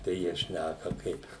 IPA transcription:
tɐɪ ˈjiɛ ˈʃʲnʲækɐ ˈkɐɪp

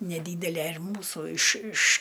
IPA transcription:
nʲɛˈdʲiːdʲɛlʲɛ ɪr ˈmuːsʊ ɪʃ ɪʃ

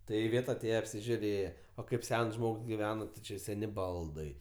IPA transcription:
ˈtɐɪ ɪˈʋʲeːt ɐˈtʲeːjɛ ɐpʲsʲɪʒʲʊˈrʲeːjɛ oː ˈkɐɪp ˈsʲɛns ˈʒmoːks ɡʲɪˈʋʲæːnoː tʲɪ ˈt͡ʃʲɪ ˈsʲæːnʲɪ ˈbɐlˠdɐɪ

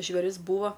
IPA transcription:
ʒʲʋʲeːˈrʲɪs ˈbuːʋɐ

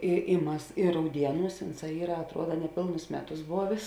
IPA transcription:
ɪ ɪ ˈmɐs ɪr rɐʊˈdʲiɛˌnuːs ˈʊnˌsɑː ˈiːrɐ ɐtˈruɔdɐ nʲɛˈpʲeːlˠnʊs ˈmʲæːˌtʊs ˈboːʋʲeːs

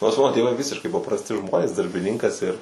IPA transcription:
noːrs ˈmɑːnoː tʲeːˈʋɐɪ ˈʋʲɪsʲɪʃkɐɪ pɐprɐsʲˈtʲɪ ˈʒmoːnʲeːs dɐrʲbʲɪˈnʲɪŋkɐs ɪr

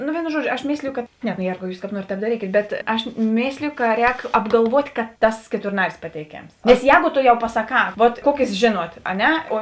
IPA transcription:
noː ˈʋʲeːɪnoː ˈʒuɔˌd͡ʒʲoː ɐʃ ˈmʲeːsʲlʲɪjʊ kɐt ˈnʲɛ noː ˈjeːrɡɐʊ ˈjuːs kɑːp ˈnuɔrʲeːt tʲɛːp dɐˈrʲiːkʲeːt bʲɛt ˈɐʃ ˈmʲeːsʲlʲeːjoː kɐ ˈrʲɛːk ɐbɡɐlˠˈʋuɔtʲ kɐ ˈtɐs kʲɛtʊrˈnɑːrʲɪs pɐtʲɛɪˈkʲeːms nʲɛs ˈjɛːɡoː ˈtoː jɛʊ pɐsɐˈkɑː ˈʋuɔt ˈkuɔkʲeːs ʒʲeːˈnuɔt ɐ ˈnʲɛ oː

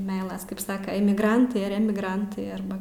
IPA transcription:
ˈmʲɛɪlˠɐs kɐɪp ˈsɑːkɐ ɛmʲɪɡˈrɐntɐɪ ɐr ˈæːmʲɪɡrɐntɐɪ ˈɐrbɐ

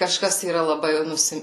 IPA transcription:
kɐˈʃkɐs iːˈrɐ lˠɐˈbɐɪ ˈnʊsʲɪ

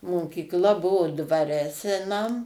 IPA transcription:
moːkʲiːkˈlˠɐ ˈbʊʋoː dʋɐˈrʲɛ sʲɛˈnɐm

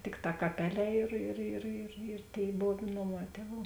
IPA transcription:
ˈtʲɪkˌtɑː kɐˈpʲæːˌlʲɛː ɪr ɪr ɪr ɪ ɪr ˈtʲeːɪ ˈboːw ˈnoːˌmɑː ˈtʲiɛˌʋuː

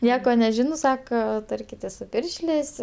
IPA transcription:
ˈnʲiɛkoː nʲɛˈʒʲɪnoː ˈsɑːkoː ˈtɐrʲkʲɪtʲeːs sʊ ˈpʲɪrʲʃʲlʲeːsʲ

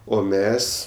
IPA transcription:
oː ˈmʲɛs

